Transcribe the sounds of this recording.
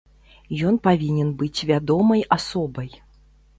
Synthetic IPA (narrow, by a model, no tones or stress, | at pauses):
jɔnpavʲinʲɛnbɨt͡sʲvʲad̪ɔmɐjasɔbɐj